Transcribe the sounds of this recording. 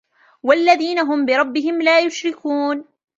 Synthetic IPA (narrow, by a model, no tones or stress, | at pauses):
walːaðiːnaɦʊmbɪɾˤɑbːɪɦɪmlaːjʊʃɾɪkuːn